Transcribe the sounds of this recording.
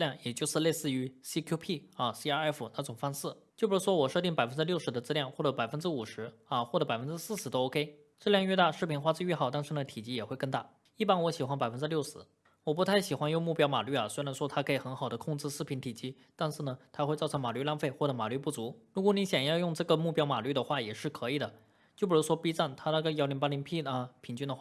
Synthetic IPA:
ljɑ˥˩ŋjɛ˨˩t͡ɕjo˥˧ʊʂɻ̩˥˧le˥˧ɪsɹ̩˥˩y˧˥si˥kʰju˥pʰi˥˩a˥˩si˧˥a˥ɛ˥˩fu˨˩na˥˩ʈ͡ʂʊ˨˩ŋfɑ˥ŋʂɹ̩˥˩t͡ɕjo˥˩ʊbu˧˥ʂɻ̩˥˩wɔ˥wɔ˨˩ʂɤ˥˧t̪̬i˥˩ŋpa˨˩ɪfə˥nʈ͡ʂɻ̩˥ljo˥˩ʊʂɻ̩˧˥d̪ə˧ʈ͡ʂt͡sɹ̩˥ljɑ˥˧ŋxwɔ˥˩ʈ͡ʂɤ˧˥pa˨˩ɪfə˥nʈ͡ʂ̩˥u˨˩ʂɻ̩˧˥ɐ˧xwɔ˥˩ʈ͡ʂɤ˧˥pa˨˩ɪfə˥nʈ͡ʂɻ̩˥sɹ̩˥˩ʂɻ̩˧˥d̪ə˧o˥ʊkʰe˥ɪ | ʈ͡ʂɤ˥˧ljɑ˥˧ŋɥɛ˥˧t̪a˥˧ʂɻ̩˥˩pʰi˧˥nxwa˥t͡s̩˥˧ɥɛ˥˩xɑ˨˩ʊt̪ɑ˥˧nʂɻ̩˥˩nə˩t̪ʰi˨˩t͡ɕi˥˩jɛ˨˩xwe˥˧ɪkɤ˥˧ŋt̪a˥˩ | i˥˩pa˥nwɔ˧˥ɕi˨˩xwa˥npa˨˩ɪfə˥nʈ͡ʂɻ̩˥ljo˥˩ʊʂɻ̩˧˥ | wɔ˨˩p̬u˧˥t̪ʰa˥˩ɪɕi˨˩xwa˥njo˥˧ŋmu˥˩pjɑ˥ʊma̰˨˩ly˥˩ɐ˩swe˥ɻa˧˥nʂwɔ˥t̪ʰa˥kʰɤ˧˥i˨˩xə˧˥nxɑ˨˩ʊd̪ə˦kʰʊ˥˧ŋt͡sɹ̩˥˧ʂ̩˥˩pʰi˧˥nt̪ʰi˨˩t͡ɕi˥ | t̪a˥˧nʂɻ̩˥˩nə˩t̪ʰa˥xwe˥˧ɪt͡sɑ˥˩ʊɤ˧˥ŋma˨˩ly˥˧˥la˥˧nfe˥˩ɪxwɔ˥˩ʈ͡ʂɤ˧˥ma˨˩ly˥˧pu˥˩t͡su˧˥ɻu˧˥k̬wɔ˧˥ni˧˥ɕjɑ˨˩ŋjɑ˥˧ʊjʊ˥˧ŋʈ͡ʂɤ˥˩ɡə˩mu˥˩pjɑ˥ʊma˨˩ly˥˩d̪ə˩xwa˥˩jɛ˨˩ʂɻ̩˥˩kʰɤ˧˥i˨˩d̪ə˩˦ | t͡ɕj̬u˨˩u˧˥ʂwɔ˥pi˥t͡sa˥˩nt̪ʰa˥nə˥˧kə˧˩jɑ˥ʊli˧˥ŋpa˥li˧˥ŋpʰi˥˩˧pʰi˨˩nt͡ɕy˥˩nd̪ə˩xwa˥˩

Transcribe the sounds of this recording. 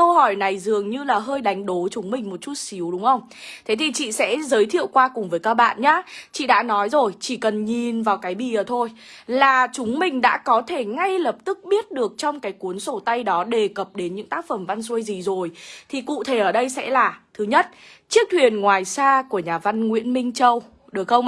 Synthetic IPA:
ə˧whɔ˧˩jna˨˩jzɨ˨˩əŋɲɨ˧laː˨˩ɦəː˧jɗa˨˦jŋ̟ɗo˨˦t͡ɕʊ˨˦ŋ͡mmï˨˩ŋ̟mo˨˩t̚t͡ɕu˦˥t̚si˨˦əwɗʊ˨˦ŋ͡mʔə˧wŋ͡m | t̪ʰe˨˦t̪ʰi˨˩t͡ɕḭ˧˨sɛ̰˧˥zəː˨˦jt̪ʰḭ˧˨əwkwaː˧kʊ˨˩ŋ͡mvəː˨˦jkaː˦˥k̚ɓa̰ː˧˨nɲaː˨˦t͡ɕḭ˧˨ɗa̰ː˧˥nɔ˨˦jzo˨˩jt͡ɕi˧˩kə˨˩nɲi˨˩nvaː˨˩wkaː˨˦jɓḭ˧˨əː˨˩t̪ʰo˧j | laː˨˩t͡ɕʊ˨˦ŋ͡mmï˨˩ŋ̟ɗa̰ː˧˥kɔ˨˦t̪ʰe˧˩ŋa˧jlə˨˩p̚t̪ɨ˦˥k̚ɓi˦˥ət̚ɗɨ˨˩ək̚t͡ɕɔ˧wŋ͡mkaː˨˦jku˨˦ənso˧˩t̪a˧jɗɔ˨˦ɗe˨˩kə˨˩p̚ɗe˨˦nɲɨ̰˧˥ŋt̪aː˦˥k̚fə˧˩mva˧nsu˧jzi˨˩zo˨˩jt̪ʰi˨˩kṵ˧˨t̪ʰe˧˩ʔəː˧˩ɗə˧jsɛ̰˧˥laː˨˩t̪ʰɨ˨˦ɲə˦˥t̚t͡ɕi˦˥ək̚t̪ʰwi˨˩ənŋwaː˨˩jsaː˧ku˧˩əɲaː˨˩va˧nŋwḭ˧˥ənmï˧ŋ̟t͡ɕə˧w | ɗɨ˨˩ək̚xə˧wŋ͡m

